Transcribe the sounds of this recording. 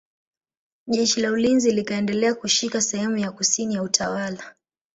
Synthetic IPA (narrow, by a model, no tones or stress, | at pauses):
ʄɛʃilaulinzilikaɛndɛlɛakuʃikasɛhɛmujakusinijautʰawala